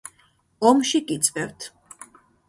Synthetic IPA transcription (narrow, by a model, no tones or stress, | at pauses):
ɔmʃikʼit̪sʼpʼɛvt̪ʰ